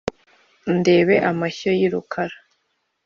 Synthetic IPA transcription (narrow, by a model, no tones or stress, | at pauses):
nde̞ːβe̞ʔamaço̞jiɾukʰaɾa